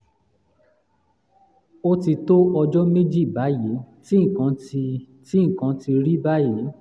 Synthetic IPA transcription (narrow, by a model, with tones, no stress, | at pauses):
o˦ti˧to˦ʔɔ˧d͡ʒɔ˦me˦d͡ʒi˦˨ba˨˦je˨˦ti˦ŋ̩˨kã˨˦˧ | ti˦ŋ̩˨kã˨˦ti˧ɾi˦ba˦je˨˦